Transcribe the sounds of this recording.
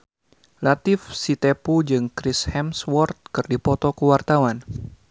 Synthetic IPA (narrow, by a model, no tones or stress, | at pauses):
lat̪ɪfsit̪epud͡ʒɨŋkɾɪshɛmswɔrt̪̚kɨrdipɔt̪ɔkəwart̪awan